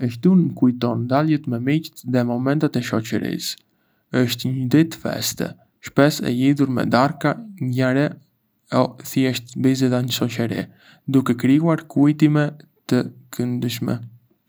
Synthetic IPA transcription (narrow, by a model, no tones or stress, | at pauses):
əʃt̪unəkujt̪ɔnd̪aljɛt̪mɛmict̪ðɛmɔmɛnt̪at̪ɛʃɔt͡ɕəɾḭs | əʃt̪ɲəd̪it̪fɛ̰st̪ɛ̰ | ʃpɛsɛ̰liðuɾmɛ̰d̪aɾkaŋɡaɾɛ | ɔθjɛʃt̪bizɛðaɲəʃɔt͡ʃəɾḭ | d̪ukɛkɾiuaɾkujt̪imɛt̪əkʰənd̪əʃmɛ̰